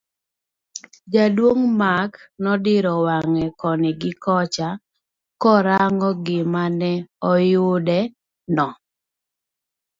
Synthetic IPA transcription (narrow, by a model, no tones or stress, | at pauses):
d͡ʒadwoŋmaknɔdɪɾɔwaŋɛkɔnɪɡɪkɔt͡ʃa | kɔɾaŋɔɡɪmanɛɔjʊdɛ | nɔ